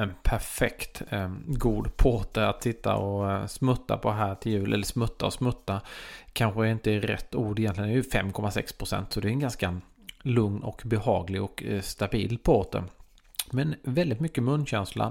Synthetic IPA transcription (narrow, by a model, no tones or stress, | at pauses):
ɛnpʰæɾfɛkt̪ɡuːd̪pʰoːt̪əat̪sɪt̪ːa̰ɔsmɵt̪ːa̰pʰɔd̪ɦæːʈʰɪljʉ̟ːlʔɛ̰lːəʂsmɵt̪ːaɔsmɵt̪ːakʰanɧəɛɾɪnt̪əɪɾɛ̰t̪ːuːɖɪjɛnt̪lɪɡənɛɛjɵfɛmkʰɔmasɛ̰kspʰɾʊsɛ̰nt̪sɔd̪ɛɾɛnɡanska | lɵŋnɔkbɛhɑːɡlɪɡɔkst̪abiːlpʰoːt̪ə̰ | mɛnvɛld̪ɪt̪mʏkːəmɵnːɕɛnsla̰